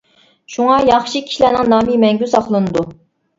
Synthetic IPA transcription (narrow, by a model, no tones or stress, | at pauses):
ʃuŋɑjɑχʃikʲʰi̥ʃlæːnɪŋnɑːmimɛŋɡʲysɑχlˠɨnɨd̪u